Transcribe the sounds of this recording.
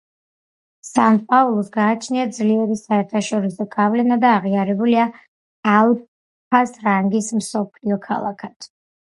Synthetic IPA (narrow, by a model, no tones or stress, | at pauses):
sanpʼaulˠusɡaːt͡ʃʰniad̪zliɛɾisaɛɾt̪ʰaʃɔɾisɔɡavlɛnad̪aːʁiaɾɛbuliaː | lˠ | p̚ʰasɾaŋɡismsɔpʰliɔkʰa̰lˠa̰kʰat̪ʰ